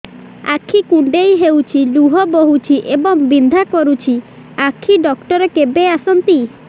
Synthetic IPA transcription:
a̰kʰikuɳɖejɦewt͡ʃʰiluɦɔboɦut͡ʃʰiʔebɔŋbind̪ʱakɔɾut͡ʃʰi | akʰiɖɔkʈɔɾekebeasɔnt̪i

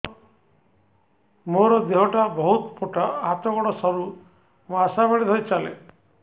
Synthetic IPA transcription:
moɾɔd̪eɦɔʈabɔɦut̪poʈʰaat̪ɔɡɔɽɔsɔɾu | masabeɽid̪ʱʰɔjt͡ʃalḛ

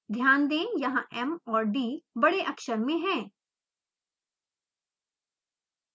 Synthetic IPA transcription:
d̪ʱjaːnd̪ẽːjɐɦãʔɛmɔːɾɖiːbɐɽeʔɐkʃəɾmẽɦɛ̃ː

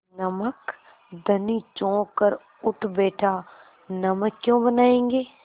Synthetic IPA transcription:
nɐmək | d̪ɐnit͡ʃɔ̃ːkəɾ | ʊʈʰbeːʈʰaː | nɐməkːjõːbənaːẽːŋɡeː

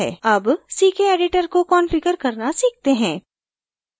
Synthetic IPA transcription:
ɛ̰ːɐbsiːkʰeeːɖɪʈəɾkokɔːnfɪkəɾkɐɾnasiːk̚t̪eɦɛ̃ː

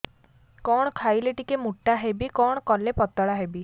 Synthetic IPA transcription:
kɔɽ̃ɔkʰajleʈikemuʈːaɦebikɔɽ̃ɔkɔlepɔt̪ɔɭaɦebi

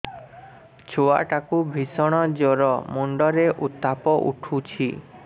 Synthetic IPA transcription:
t͡ʃʰoa̰ʈakubʱisɔɽ̃ɔd͡ʒɔɾɔmuɳɖɔɾeʔut̪ːapɔʔṵʈʰut͡ʃʰḭ

